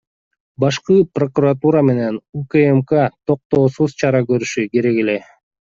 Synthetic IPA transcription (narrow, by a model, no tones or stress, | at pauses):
bɑʃqɯpro̞kurat̪uɾame̞ne̞nukəemkat̪ʰo̞q̚t̪o̞ːsuzt͡ʃʰɑɾɑkø̞ɾyʃyke̞ɾe̞ke̞le̞